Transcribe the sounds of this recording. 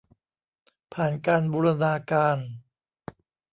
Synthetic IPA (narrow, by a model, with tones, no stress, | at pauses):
pʰaː˨˩nkaː˧nbuː˧ɾa˧naː˧kaː˧n